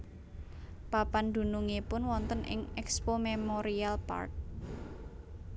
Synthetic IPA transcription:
papand̪̥ṳnuŋepʊnwɔnt̪ənʔɪ̰ŋɛkspomemoɾialpa̰rt̪̚

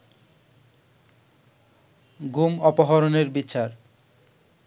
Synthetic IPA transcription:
ɡumɔpoɦɔɾoneɾbit͡ɕaɾ

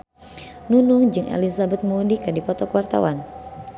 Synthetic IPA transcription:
nunʊŋd͡ʒɨŋʔḛlizabɛt̪̚muudikədipɔt̪ɔkwart̪a̰wan

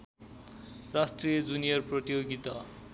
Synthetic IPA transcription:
rasʈrijʌd͡zunijʌrprʌt̪ijoɡit̪ʌ

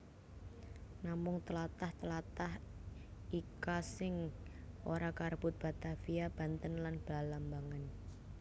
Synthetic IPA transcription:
namʊŋt̪əlat̪aht̪əlat̪ah | ikasɪŋʔoɾakarb̥ʊt̪̚b̥a̤t̪afiab̥a̤nt̪ənlanb̥lalambaŋan

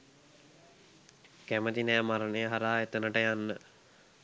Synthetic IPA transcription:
kæməd̪inɛːmaɾənəjəɦaɾaːet̪ənəʈəjanːə

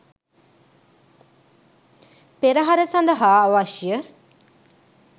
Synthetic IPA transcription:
peɾəɦaɾəsand̪əɦaːʋaʃjə

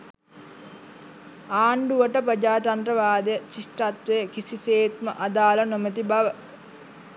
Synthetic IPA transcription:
aːɳɖuʋəʈəpɾəd͡ʒaːʈanɾəʋaːd̪ejət͡ʃisʈrat̪ʋejəkisiseːt̪məʔad̪aːlənomet̪̬ibaʋə

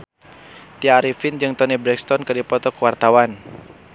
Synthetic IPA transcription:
t̪iaɾifind͡ʒɨŋt̪ɔnibɾɛkst̪ɔnkɨdipɔt̪ɔkəwart̪awan

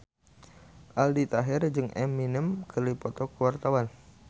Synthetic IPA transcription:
ʔaldit̪aɦɛrd͡ʒɨŋʔɛmːinəmkʰərlipɔt̪ɔkuwart̪awan

